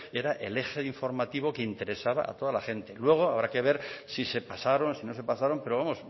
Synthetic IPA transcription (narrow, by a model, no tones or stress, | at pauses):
e̞ɾaʔe̞̰le̞xeiɱfo̞ɾmat̪iβo̞ke̞int̪e̞ɾe̞saβa̰a̰t̪o̞ðalaχe̞nt̪e̞lwe̞ɣ̞o̞aβ̞ɾake̞β̞e̞ɾsise̞pasaɾo̞nsino̞s̬e̞pasaɾo̞mpeɾo̞β̞amo̞s